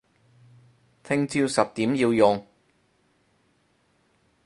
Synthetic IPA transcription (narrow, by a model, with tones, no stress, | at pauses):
t̪ʰɪ˥ŋt͡siː˧wsɐ˨p̚t̪iː˨˥mjiː˧wjʊ˨˩ŋ